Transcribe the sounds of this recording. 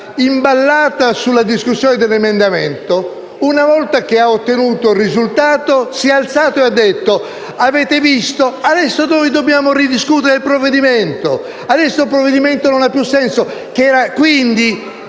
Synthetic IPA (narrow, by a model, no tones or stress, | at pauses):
imbalːaːt̪asulːad̪iskusːjoːned̪elːemend̪ament̪o | unavɔlt̪ak̟eaot̪ːenuːt̪orizult̪aːt̪osialt̪saːt̪oead̪ːet̪ːo | avɛːt̪evist̪oad̪ɛsːonojd̪objaːmorid̪iskut̪eɾeilpɾovːed̪iment̪o | ad̪ɛsːolpɾovːed̪iment̪ononapːjusːɛnsok̟ɛːɾakwind̪i